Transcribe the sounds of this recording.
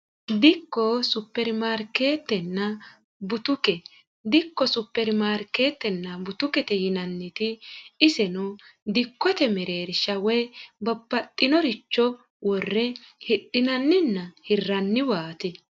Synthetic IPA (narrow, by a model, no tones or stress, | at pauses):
d̪ɪkːɔsʊpːɛɾmaːɾke̞ːt̪ːɛnːɐ | bʊt̪ʊkɛ | d̪ɪkːɔsʊpːɛɾmaːɾke̞ːt̪ːɛnːɐbʊt̪ʊkɛt̪ɛjɪnɐnːɪt̪ɪɪsɛnʊd̪ɪkːɔt̪ɛmɛɾeːɾɪʃɐwɛbɐbːɐt̪ʼːɪnɔɾɪt͡ʃːɔ | wʔɔrːɛhɪɗːɪnɐnːɪnːɐhɪrːɐnːɪwaːt̪ɪ